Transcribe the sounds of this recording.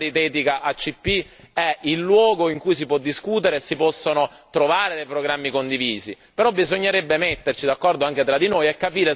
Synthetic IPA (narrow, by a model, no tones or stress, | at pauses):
ɾit̪ɛːt̪ikaʔat͡ʃːipːi | ɛilːwɔːɡoiŋkujs̬ipwɔd̪ːiskuːt̪eɾesipɔsːonot̪ɾovaːɾed̪ejpɾoɡɾamːikond̪iviːzi | peɾɔbːizoɲːeɾɛbːemet̪ːert͡ʃid̪akːɔrd̪oaŋk̟et̪ɾad̪ːinojɛkːapiːɾe